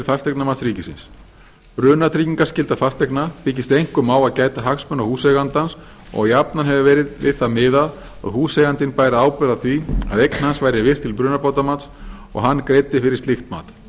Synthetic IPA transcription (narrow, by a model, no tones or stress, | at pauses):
fast̪ɛknamat̪sɾiːcɪsɪns | ɾʏːnat̪ʰɾiːciŋkascɪlt̪afast̪ɛknapɪcɪst̪ejŋ̥kʏmaːwaðcaːjt̪aɦaksmœnawhuːsɛɣant̪ans | ɔ̰ɣjapnanɦɛvʏvɛːɾɪðvɪ̰ðθamɪðað | a̰ðhuːsɛɣant̪ɪnpaːjɾaaːwpɛɾaðθvia̰ðejkn̥hansvaːjɾɪvɪr̥t̪ʰɪlpɾʏːnapoːwt̪amat̪s | ɔ̰ɣɦanːkɾeːjt̪ɪfɪɾɪɾ̥st̪ɪxt̪ma̰ːt̪